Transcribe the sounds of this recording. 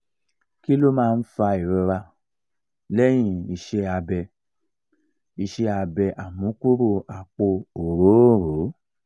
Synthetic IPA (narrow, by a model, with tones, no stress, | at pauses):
ki˦lo˦mãː˦˧n̩˦fa˧i˨ɾo˧ɾa˧ | lɛ˦j̃ĩ˦˧˨i˧ʃe˧a˧bɛ˧ | i˧ʃe˧a˧bɛ˧ʔa˨mũ˨˦ku˦ɾu˦˧a˨k͡po˧o˨ɾo˨˦˨ɾo˨˦